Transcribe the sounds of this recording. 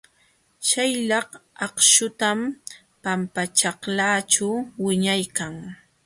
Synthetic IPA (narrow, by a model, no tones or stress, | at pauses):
ʃajʎɑχɑqʃʊt̪am | pampat͡ʃɑχlaːt͡ʃawɪɲajkaŋ